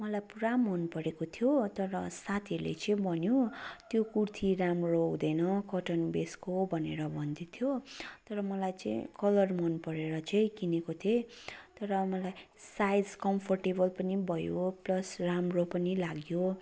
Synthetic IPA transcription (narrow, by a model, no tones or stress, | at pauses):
mʌlajpuɾamʌnpʌɾekot̪ʰjot̪ʌɾʌsat̪ʰiʌɾlḛt͡sʌĩbʱʌnjot̪jokurt̪ʰiɾamrowd̪ʌjnʌkʌʈʌnbeskobʱʌneɾʌbʱʌnd̪it̪ʰjot̪ʌɾʌmʌlajt͡sʌ̰̃ḭ̃kʌlʌrmʌnpʌɾeɾʌt͡saĩkinekot̪ʰet̪ʌɾʌmʌlaj | sajd͡zkʌmpʰʌrʈebʌlpʌnibʱʌjoplʌsramropʌnilaɡjo